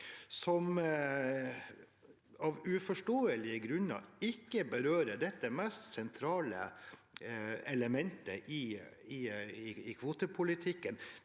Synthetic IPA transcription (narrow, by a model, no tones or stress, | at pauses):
sɔm | ɑʋʉfɔʂʈoːəlɪəɡɾʉnːə̰ɪkːəbəɾøːɾəɖɛt̪ːəmɛst̪sɛnt̪ʰɾɑːlə̰ | ɛləmɛnt̪əʔɪ | ɪɪɪkʰʋoːt̪əpʰʊlɪt̪ʰɪkːən